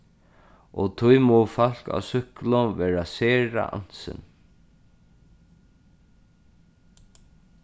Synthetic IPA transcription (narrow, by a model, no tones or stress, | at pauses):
ʔɔt̪ʰʊjmɔfal̥ka̰wsʏhklʊnvɛːɹasɛːɾa̰ʔa̰n̥sɪ̰n